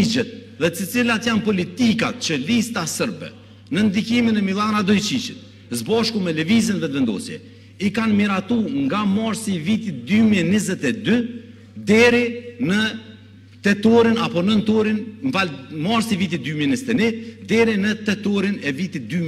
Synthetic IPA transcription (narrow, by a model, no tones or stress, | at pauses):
id͡ʒɛt̪̚ | ðɛsət͡silat̪janpɔlit̪ika̰t̪̚t͡ɕəlist̪asəɾbɛ̰ | nənd̪ikiminɛmilˠanad̪ɔjt͡ʃit͡ʃit̪̚ | zbaʃkumɛləvizinðɛvɛnd̪ɔ̰sjɛ̰ | ikanmiɾat̪uŋɡamaɾsivit̪it̪̚d̪ymiɛnizɛt̪ɛd̪y | d̪ɛɾinə | t̪ɛt̪ɔɾinapɔnənt̪ɔɾinamaɾsivit̪it̪̚d̪ymiɛnizɛt̪ɛnɛd̪ɛɾinət̪ɛt̪ɔɾinɛvit̪it̪̚d̪y